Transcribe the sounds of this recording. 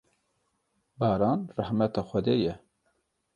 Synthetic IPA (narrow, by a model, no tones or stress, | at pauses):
bɑːɾɑːnrɑhmɛt̪ɑːxʷɛd̪eːjɛ